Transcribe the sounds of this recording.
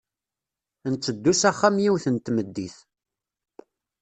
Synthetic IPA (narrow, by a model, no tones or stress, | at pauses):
nt͡sːəd̪ːusæχːamjiwθənt̪məd̪ːiθ